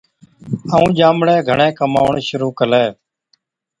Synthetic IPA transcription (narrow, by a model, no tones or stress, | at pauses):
əũːd͡ʒaːmɽeːɡʱəɳẽːkəma̰ːʋɳʃʊɾuːkəleː